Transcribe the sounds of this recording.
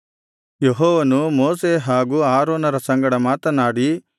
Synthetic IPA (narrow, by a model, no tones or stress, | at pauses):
jeɦɔːʋɐnumoːseɦaːɡuːaːɾoːnɐɾɐsɐŋɡɐɽɐmaːt̪ɐnaːɽi